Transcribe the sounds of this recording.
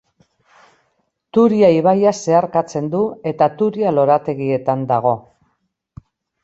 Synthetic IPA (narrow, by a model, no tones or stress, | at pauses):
t̪uɾiaiβ̞ajase̞aɾkat͡se̞nd̪ue̞t̪at̪uɾialo̞ɾat̪e̞ɣie̞t̪and̪aɣ̞o̞